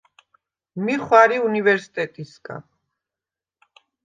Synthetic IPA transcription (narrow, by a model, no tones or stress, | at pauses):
miχwaɾiunivɛɾsi̥t̪ʼɛt̪ʼisɡʼa̰